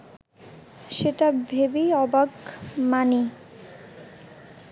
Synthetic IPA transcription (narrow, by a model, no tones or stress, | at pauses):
ʃeʈabʱebiɔbakmani